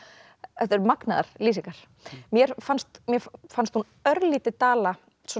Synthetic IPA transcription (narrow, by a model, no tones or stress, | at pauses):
ɛt̪ɛɾmakna̰ða̰ɾ̥liːsiŋkaɾ̥ | mjɛɾ̥fanst̪mjɛfanst̪hun | œɾliːt̪ɪt̪aːla | sɔ